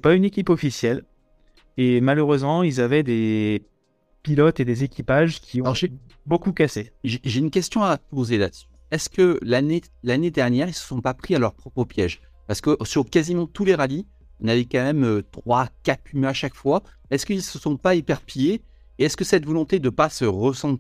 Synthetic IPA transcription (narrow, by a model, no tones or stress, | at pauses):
ɛpaynekʲipɔfisjɛl | emaløʁøzmɑ̃ilzavɛd̪e | pilɔt̪ed̪ezekʲipaʒkʲʰiɔ̃ʒe | bokukaseʒeʒeynkʲɛst̪jɔ̃apozela̰d̪əsy̥ | ɛskəlane | laned̪ɛʁnjɛʁilsə̥sɔ̃papχialœʁpχɔpχəpjɛʒ | paʁsə̥kəʔsyʁkazimɑ̃t̪uleʁali | inavɛkɑ̃mɛmøt̪χwakat̪pymaʃakfwaɛskilsəsɔ̃paipɛʁpʰijeː | ɛskəsɛt̪vɔlɔ̃t̪ed̪əpasəʁəsɑ̃t̪